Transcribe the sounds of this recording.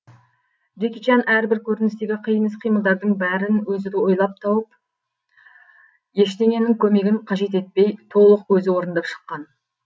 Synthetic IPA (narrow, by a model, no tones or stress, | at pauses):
d̪ekʲit͡ʃɑnæɾbɪɾkʲʰɵɾɪnɪst̪e̞ɡʲɪqʰijənəsqʰijməlˠd̪ɑɾd̪əɴbæɾɪnwɵzɪd̪ɪwo̞jlˠɑp̚t̪ʰɑwəp̚ | je̞ʃt̪e̞ŋe̞nɪŋkʲʰɵme̞ɡʲɪɴqʰɑʒe̞t̪e̞t̪̚pe̞jt̪ʰo̞lˠəqwɵzɪwo̞ɾənd̪ɑpʃə̥qːɑn